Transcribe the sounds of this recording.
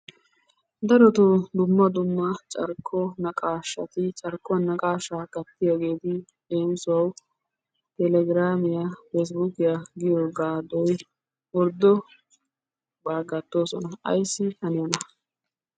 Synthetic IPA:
d̪ɐɾɔt̪od̪ʊmːɐd̪ʊmːɐt͡ʃʼɐɾkʰːɔnɐkʼaːʃːɐ̰t̪ɪt͡ʃʼɐɾkʼːɔnɐkʼaːʃakɐt̪ːɪjoːɡe̞ːt̪ɪ | d̪e̞ːnsʊwɐw | t̪ɛlɛɡɪɾaːmɪjafɛs̬buːkɪjaɡɪjoɡaːd̪ɔj | wɔɾd̪ɔ | baːɡɐt̪ːo̞ːsɔnɐɐ̰jsːɪhɐnɪjɔnɐ

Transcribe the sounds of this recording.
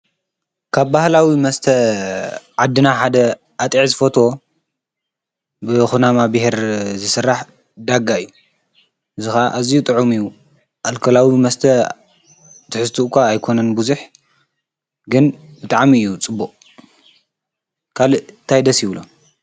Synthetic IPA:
kʰaβbahlawimɐst̪ʰɐ | ʕad̪ːɨnaħad̪ɐ | ʔat̪ʼiʕzɨfot̪ʰo̞ | bɨxunamabɨheɾzɨsɨrːaħ | d̪aɡaɨjːu | ʔɨzɨxaaʔazijut̪ʼɨʕumɨjːu | ʔalkʰɐlawimɐst̪ʰɐ | t̪ʰɨħɨst̪ʰuʔkʰʷaːjkʰo̞nɐnbuzuħ | ɡɨnbɨt̪ʼaʕmiɨjːut͡sʼɨbːuqʼ | kʰalɨt̪ʰajd̪ɐsjɪβlo̰

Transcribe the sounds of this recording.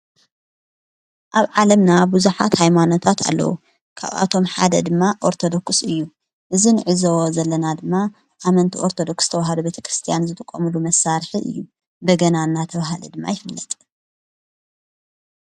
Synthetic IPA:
ʔaβʕalɐmnabuzuħa̰t̪hajmano̞t̪ʰat̪a̰lːɐ̰wṵ | kʰa̰βa̰t̪ʰo̞mħa̰d̪ɐd̪ɨmːaʔo̞ɾt̪ʰo̞d̪o̞ksɨjːu | ʔɨzinɨʕɨzowozɐlːɐnad̪ɨmːa | ʔamɐnt̪ʰiʔoɾt̪ʰod̪o̞kst̪ʰɐwaɦad̪ubet̪ʰɐ̥kɾɨst̪ʰijanzɨt̪ʰɨkʼːomulumɐsːaɾħiʔɨ̰jːu | bɐɡɐnanːat̪ʰɐβaɦlḭd̪ɨmːa̰jɪfɨlːɐt̪ʼ

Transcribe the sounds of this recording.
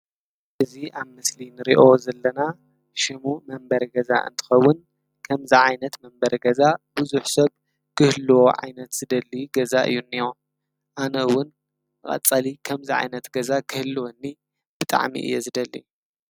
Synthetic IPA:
ʔɨziʔaβmɨslinɨɾiʔo̞zɐlːɐna | ʃɨmumɐmbɐɾɡɐza̰ʔɨ̰nt̪ʰɨ̥xɐwːʊn | kʰɐmziʕajnɐt̪mɐmbɐɾɡɐzabuzuħsɐβ | kʰɨhlːwo̞ʕa̰jnɐt̪z̥ɨd̪ɐlːijuɡɐzaʔɨ̰jːunːio | ʔanɐɨwʊn | mɨχʼɐ̰t͡sʼːalikʰɐmziʕa̰jnɐt̪ɡɐzakʰɨhɨlːɨwonːi | b̥ɨt̪ʼa̰ʕmḭʔɨ̰jːozɨd̪ɐlːḭju

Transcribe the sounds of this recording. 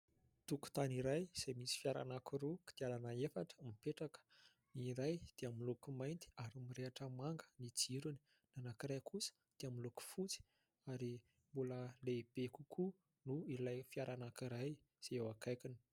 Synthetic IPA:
t̪uku̥t̪aniɾajz̥ajmisi̥fiaɾa̰nakuɾuki̥d̪̥ialanəefaʈ͡ʂə̥mipeʈ͡ʂakə̥ | niɾajd̪̥eamilukumajnt̪i̥aɾumireaʈ͡ʂəmaŋɡə̥nid͡ziɾuni̥ | nanakiɾekʰusə̥ | d̪̥eamiluku̥fut͡si̥ | aɾi | mbuləleb̥ekukʰu | nuilajfiaɾanakiɾaj | z̥eewakajkʲini̥

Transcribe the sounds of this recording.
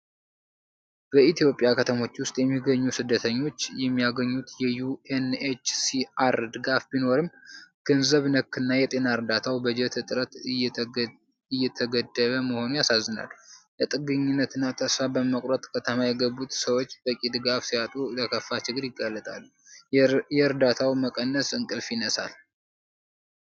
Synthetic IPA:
b̥əit̪ʰijo̞pʼjakʰət̪ʰəmo̞t͡ʃːwʊst̪ʼjɛmːiɡəɲːusɨd̪ːət̪ʰəɲːo̞t͡ʃːjɛmːijaɡəɲːut̪jɛjuenet͡ʃsiaɾd̪ɨɡafbino̞ɾɨmɡ̥ɨnzəβnəkːɨnːajɛt̪ʼe̞naɨɾd̪at̪ʰawbəd͡ʒɛt̪ʰɨt̪ʼɾət̪ | ɨjːɛt̪ʰəɡəd̪ːəβəməho̞nujasazːɨna̰lːlət̪ʼɨɡɨɲːɪnːət̪ʰɨnːat̪ʰəsfabəməkʼɾət̪ʼkʰət̪ʰəmajɛɡəbːut̪səwo̞t͡ʃːb̥əkʼid̪ɨɡafsijat̪ʼuləkʰəfːat͡ʃɨɡɨɾjɪɡːalːət̪ʼalː | jɛɾd̪at̪ʰawməkʼənːəsɨŋkʼɨlfjɪnəsa̰l

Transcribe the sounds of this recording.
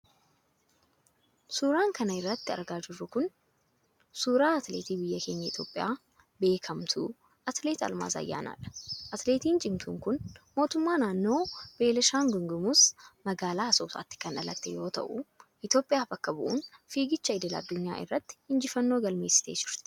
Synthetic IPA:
suːɾaːŋkɐnɐɪrːɐt̪ːɪɐ̰ɾɡaːd͡ʒɪrːʊkʊn | suːɾaːɐt̪lḛːt̪iːbɪjːɐkʰe̞ːɲːɐɪt̪ʰjo̞ːpʼːɪja̰ː | be̞ːkʰɐmt̪ʰṵː | ʔɐt̪leːt̪ɐ̰lma̰ːsɐ̰jːa̰ːna̰ːᶑɐ̥ʔɐt̪leːt̪iːnt͡ʃʼɪmt̪ʰṵːŋkʊnmo̞ːt̪ʊmːaːnaːnːo̞ːb̥e̞ːlɛʃaːŋɡʊŋɡʊmusmɐɡaːlaːɐsoːsa̰ːt̪ːɪ̥kɐnɐlɐ̰t̪ːejo̞ːt̪ɐ̰ʔʊ̰ʔɪt̪jo̞ːpʼːɪjaːfɐkːɐbʊʔʊ̰nfiːɡɪt͡ʃːɐɪd̪ɛlɐ̰d̪ːʊɲːa̰ːʔɪ̰rːɐt̪ːɪ̥hɪnd͡ʒɪfɐnːo̞ːɡɐlme̞ːsːɪ̥t̪e̞̰ːd͡ʒɪɾt̪ɪ̥

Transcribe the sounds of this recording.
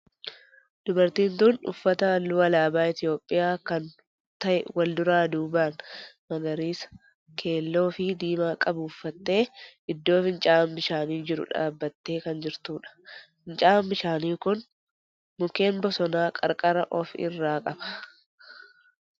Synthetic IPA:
d̪̥ʊbɐɾt̪iːnt̪uːnʊ̰fːɐt̪ɐlːuːɐlaːbaːɪt̪ɪjo̞ːpʼːɪjaːkɐn | t̪ɐʔɛwɐld̪ʊɾaːd̪uːbaːnmɐɡɐɾiːs | kʰe̞ːlːo̞ːfɪd̪iːmaːkʼɐbuːfːɐt̪ːe̞ːʔɪd̪ːo̞ːfɪnt͡ʃʼaːmbɪʃaːniːd͡ʒɪɾʊ̰ᶑa̰ːbːɐt̪ːe̞ːkɐnd͡ʒɪɾt̪uːᶑɐ̥ | nt͡ʃʼaːmbɪʃaːniːkʊn | mʊke̞ːnbɔsɔnaːkʼɐ̰ɾkʼɐɾɐʔɔfɪ̰rːaːkʼɐbɐ̥

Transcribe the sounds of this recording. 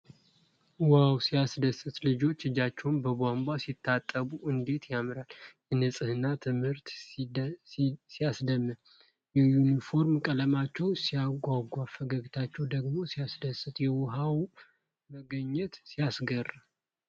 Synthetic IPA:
whawsijasd̪əsɨt̪lɨd͡ʒo̞t͡ʃːɨd͡ʒat͡ʃːɛwnbəbambasit̪ʰːat̪ʼːəbuʔɨnd̪e̞t̪jamɾaljɛnɨsʼɨhɨnːat̪ʰɨmhɨɾt̪ | sijasd̪əmːɨ | jɛjunifo̞ɾmkʼələmat͡ʃːɛwsijaɡʷaɡʷuafəɡəɡit̪ʰat͡ʃːɛwd̪əɡmo̞sijasd̪əsɨt̪jɛwʊɦaw | məɡəɲːɛt̪sijasɡərː

